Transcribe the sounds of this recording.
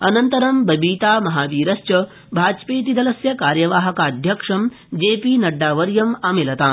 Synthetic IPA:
ɐnɐnt̪ɐɾɐmbɐbiːt̪aːmɐɦaːʋiːɾɐst͡ʃɐ | bʱaːd͡ʒpeːt̪̬id̪ɐlɐsjɐkaːɾjɐʋaːɦɐkaːd̪ʱjɐkʂɐm | d͡ʒeːpiːnɐɖːaːʋɐɾjɐmɐːmelɐt̪aː

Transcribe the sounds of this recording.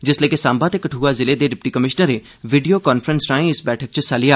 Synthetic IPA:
d͡ʒɪsləːkesãːmbaːt̪eːkəʈʰuːaːzɪleːd̪eːɾɪpʈiːkəmɪʃnəɾeː | ʋiːɖijoːkaːnpʰəɾənsɾaːẽɪsbɛːʈʰək̚t͡ʃəsaːlɪjaː

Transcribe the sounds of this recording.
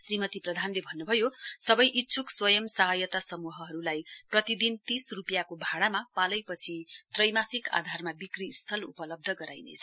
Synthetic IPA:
srimʌt̪iprʌd̪ʱanlebʱʌnːubʱʌjosʌbʌjʔitːsʰukswʌjʌmsʌɦʌjʌt̪asʌmuɦʌɦʌɾulajprʌt̪id̪int̪isrupjakobʱaɽamapalʌjpʌt͡sʰit̪rʌjmasika̰d̪ʱarmabikrist̪ʰʌlupʌlʌb̚d̪ʱʌɡʌɾajnḛt͡sʰʌ

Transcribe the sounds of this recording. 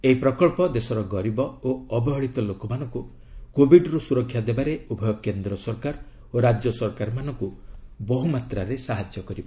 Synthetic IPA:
eipɾɔkɔɭpɔd̪esɔɾɔɡɔɾibɔoːbɔɦɔɭit̪ɔlokɔmanɔŋku | kobʱiɖɔɾusuɾɔkʰːjad̪ebaɾeubʱɔjɔkend̪ɾɔsɔɾkaɾ | oɾad͡ʒjɔsɔɾkaɾmanɔŋkubɔɦumat̪ɾaɾesaɦad͡ʒjɔkɔɾiba

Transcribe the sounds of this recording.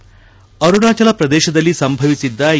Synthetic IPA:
ɐɾuɽaːt͡ʃɐlɐpɾɐd̪ɛːʃɐd̪ɐlːisɐmbʱɐʋisid̪ːɐ

